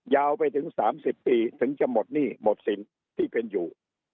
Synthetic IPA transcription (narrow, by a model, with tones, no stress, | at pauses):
jaː˧wpa˧jt̪ʰɯ˩˦ŋsaː˩˦msi˨˩pːiː˧t̪ʰɯ˩˦ŋt͡ɕa˧˩mo˨˩t̪̚niː˥˩mo˨˩t̪̚si˨˩˦n | t̪ʰiː˥˩pe˧njuː˨˩